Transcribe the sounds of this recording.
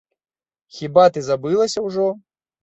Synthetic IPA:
xʲibat̪ɨzabɨlˠɐsʲɐwʐɔ

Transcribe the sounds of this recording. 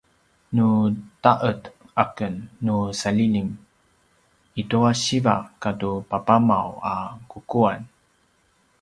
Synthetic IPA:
nutaʔətʔakənːusalilim | ituaɕivakatupapamawakukuan

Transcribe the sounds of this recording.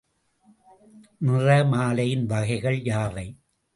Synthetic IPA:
nɪrɐmaːlɐjɪnʋɐɣɐɪɣɐɭjaːʋɐɪ

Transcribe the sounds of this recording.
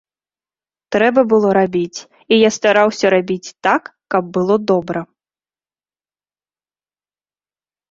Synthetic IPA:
t̪ɾɛbɐbɨlˠɔɾabʲit͡sʲ | ijast̪aɾawsʲɐɾabʲit͡sʲt̪akːɐb̚ːɨlˠɔd̪ɔbɾɐ

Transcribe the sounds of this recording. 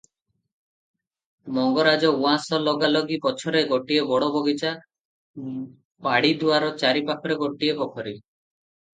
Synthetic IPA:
mɔŋɡɔɾad͡ʒɔuãsɔlɔɡalɔɡipɔt͡ʃʰɔɾeɡoʈiebɔɽɔbɔɡit͡ʃa | paɽid̪uaɾɔt͡ʃaɾipakʰɔɾeɡoʈiebɔkʰɔɾi

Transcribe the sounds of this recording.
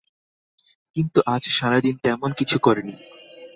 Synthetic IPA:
kint̪uʔad͡ʑʃaɾad̪int̪ɛmonkit͡ɕʰukɔɾeni

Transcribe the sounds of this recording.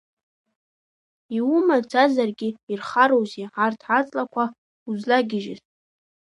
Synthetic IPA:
iwumad͡zazarɡʲɪirχaɾowziʕartʰʕat͡sʼlakʷʰa | uzlaɡʲɪʒɪ̰z

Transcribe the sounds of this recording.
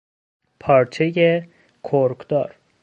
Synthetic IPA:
pʰɒːɾt͡ʃʰeje | kʰoɾkd̪ɒːɾ

